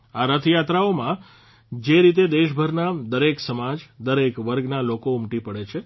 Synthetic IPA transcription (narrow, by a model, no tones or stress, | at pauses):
aɾət̪ʰjat̪ɾaomã | d͡ʒeɾit̪̬ed̪eʃbʱəɾnad̪əɾeksəmad͡ʒd̪əɾekʋəɾɡnalokoʊmʈipəɽet͡ʃʰe